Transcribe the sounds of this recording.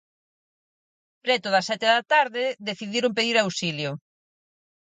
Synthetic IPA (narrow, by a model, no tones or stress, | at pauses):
pɾɛt̪ʊðɐsɛt̪ɪðɐt̪aɾðɪðeθiðiɾʊmpeðiɾawsiljʊ